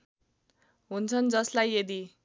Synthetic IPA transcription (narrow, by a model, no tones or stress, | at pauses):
ɦunt͡sʰʌnd͡zʌslajed̪i